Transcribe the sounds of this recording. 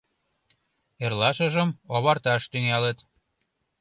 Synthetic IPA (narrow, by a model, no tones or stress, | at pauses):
erlɑʃə̆ʒəmoβɑrt̪ɑʃt̪yŋɑlə̆t̪